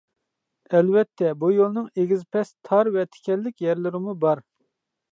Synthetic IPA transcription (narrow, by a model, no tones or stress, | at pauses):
ɛlvɛt̪ʰːɛbujolˠnɨŋeɡʲizpʰɛst̪ʰɑɾvɛt̪ʰɪ̥kʲɛlːɪkʲjɛɾlɪɾɪmubɑɾ